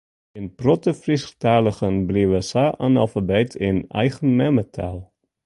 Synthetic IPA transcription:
ɪnprɔtəfrisxtaːləχənbliəʋəsaʔanɑ̰lˠfabɛjtʰɪnɛ̰jχənmɛmətʰa̰lˠ

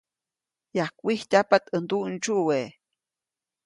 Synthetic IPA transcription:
jahkʷihtʲapat̪ənd̪uʔnt͡ʃuʔwe

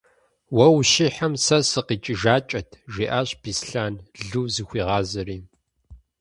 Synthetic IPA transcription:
wɐwʃiħamsɐsɨqiːt͡ʃʼɪʒaːt͡ʃʼɐtʰʒiːʔaːɕb̥iːsɬaːnɮuːzɨxʷiːʁɑːzɨriː

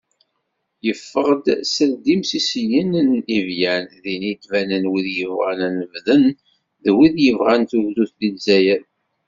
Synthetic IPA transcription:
jəfːəʁd̪səld̪imsisəjənnivjænðinid̪vænənwiðjəvʁæ̰nænəvðən | ðwiðjəvʁænθuɣðuθd̪ilzæjæ

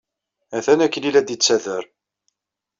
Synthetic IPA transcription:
æθænækːlilæd̪it͡sːæðəɾ

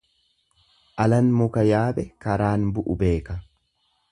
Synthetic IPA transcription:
ʔɐlɐnmʊkɐjaːbɛkɐɾaːnbʊʔʊbe̞ːkɐ

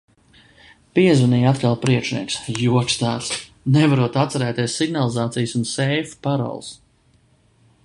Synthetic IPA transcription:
piɛzunijat̪kalˠpɾiɛkʃniɛksjuɔt͡ʃt̪aːs | nɛvaɾuɔt̪at̪saɾæːt̪iɛsːiɡnalˠizaːt̪sijsunsɛjfpaɾa̰lˠs

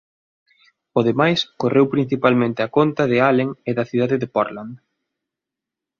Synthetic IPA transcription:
ʊðemajskorewpɾin̟θipalmẽnt̪ɪakont̪ɐðɪaleŋɪðɐθiðaðɪðɪpɔɾland̪

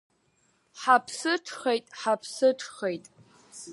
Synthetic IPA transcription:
ħapʰsɨʈ͡ʂʰχejtʼħapʰsɨʈ͡ʂʰχejtʼ

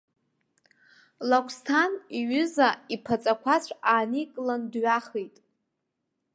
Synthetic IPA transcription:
lakʷʰstʰaniɥʏzaipʰat͡sʼakʷʰat͡ɕʷʰaːnikʼlandɥaχejtʼ

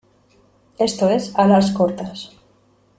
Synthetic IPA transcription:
est̪oesalaskoɾt̪as

